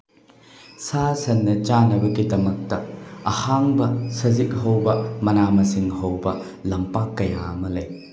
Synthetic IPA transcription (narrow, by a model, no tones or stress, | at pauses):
sasɐnːɐt͡ʃanɐbɐɡidɐmɐk̚tɐɐhaŋbɐsɐzik̚ɦɐwbɐmɐnamɐsiŋhɐwbɐ | lɐmpakːɐja̰ɐmɐlɐj